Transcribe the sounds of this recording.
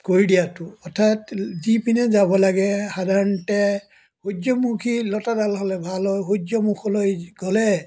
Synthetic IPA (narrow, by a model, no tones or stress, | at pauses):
koɹidijatʊɔtʰːatzipinɛzabɔlaɡɛhadʱaɹɔntɛ | hud͡ʒɔmukʰilɔtadalɦɔlɛbʱalɔjɦudɔmukʰɔlojɡ̥ɔlɛ